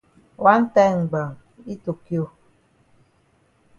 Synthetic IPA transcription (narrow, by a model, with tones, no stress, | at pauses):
wa˦n̩˦tɛ˦ŋ̩˨ɡ͡bə˨ŋ | i˦to˨kjo˦